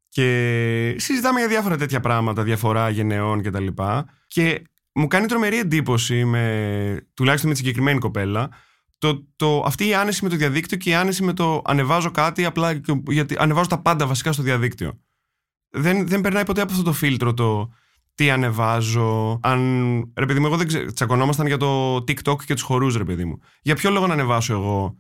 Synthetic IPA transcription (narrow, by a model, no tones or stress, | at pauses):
ce̞sizit̪ɐme̞ʝɐðʝɐfo̞ɾɐt̪e̞t̪çɐpɾɐɣmɐt̪ɐðʝɐfo̞ɾɐʝe̞ne̞o̞nce̞t̪ɐlipɐ | ce̞ | mukɐnit̪ɾo̞me̞ɾie̞nd̪ipo̞sime̞t̪ulɐçist̪omet̪sɲɟekɾime̞niko̞pe̞lɐ | t̪ot̪oʔɐ̰ft̪iːɐne̞sime̞t̪o̞ðiɐðikt̪io̞ce̞iɐnesime̞t̪o̞ʔɐ̰ne̞vɐzo̞kɐt̪iɐplɐʝɐt̪iʔɐ̰ne̞vɐzo̞t̪ɐpɐnd̪ɐvɐsi̥kɐst̪oðiɐðikt̪io̰ | ðenðe̞mbe̞ɾnɐjpo̞t̪e̞ɐp̬oɐft̪ot̪ofilt̪ɾo̞t̪o̞ | t̪iɐne̞vɐzo̞ɐnɾe̞pe̞ðimueɣo̞ðeɡet͡sɐko̞no̞mɐst̪ɐnʝɐt̪o̞t̪ikt̪o̞kce̞t̪u̥sxo̞ɾusɾe̞pe̞ðḭmṵ | ʝɐpço̞lo̞ɣo̞nɐːne̞vɐso̞e̞ɣo̞